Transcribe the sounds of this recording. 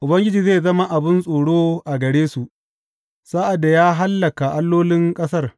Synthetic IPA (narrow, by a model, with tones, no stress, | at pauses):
ʔʊ˨bɐ˦ŋɡʲɪ˦d͡ʒiː˨zeː˦˨zɐ˦ma˦ʔa˨bɪ˦nsʼoː˨ɽoː˦ʔa˨ɡɐ˨ɽeː˦su˨ʔ | sa˦ʔa˨da˨jaː˦ɦa˦lːɐ˨ka˨ʔa˦lːoː˦lɪ˦ŋkʼɐ˦sɐ˦r